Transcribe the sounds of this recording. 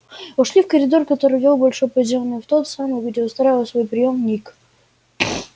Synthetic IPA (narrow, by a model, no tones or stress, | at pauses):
ʊʂlʲifkəɾʲɪd̪o̞rkɐt̪o̞ɾɨjvʲelˠbɐlʲʂojpəɪzʲomnːɨjəft̪o̞t̪samɨjɡdʲeʊst̪ɾajɪvəlˠsvo̞jpɾʲɪjo̞mnʲik